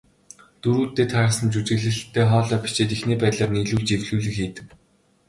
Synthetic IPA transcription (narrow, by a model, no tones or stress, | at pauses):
t̪uɾuːt̪ːeːt̪ʰaɾə̆sə̆nt͡ɕut͡ɕɘ̆ɣɮɘ̆ɬt̪ʰːeːχɔːɮœːpʲt͡ɕeːt̪ixniːpæːt̪ɮaːrniːɮuːɮt͡ɕewɮuːɮɘ̆kxiːt̪ɘ̆k